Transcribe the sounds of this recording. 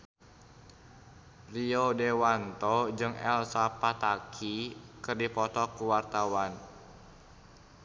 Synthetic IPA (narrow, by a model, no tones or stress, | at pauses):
riodewant̪ɔd͡ʒɨŋɛ̰lsapat̪akʰikɨrdipɔt̪ɔkuwart̪awan